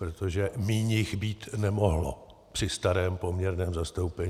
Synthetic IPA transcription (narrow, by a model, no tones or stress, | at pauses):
pɾot̪oʒɛmiːɲɪxbiːt̪nɛmo̞ɦlo̰ | pr̥ɪst̪aɾɛːmpo̞mɲɛɾnɛːmzast̪o̞wpɛɲ